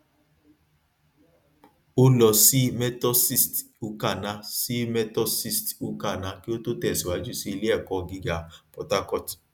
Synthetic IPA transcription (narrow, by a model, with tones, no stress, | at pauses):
o˦lɔ˧si˦mɛ˦tɔ˦si˦˨st | u˧ka˨nã˧si˦mɛ˦tɔ˦si˧stu˧ka˦˨nã˧ki˦o˦to˦tɛ˦˨si˨wa˨˦d͡ʒu˦si˦i˧le˦ɛ˦˨kɔ˧ɡi˨˧ɡa˨pɔ˨ta˦kɔ˦˨t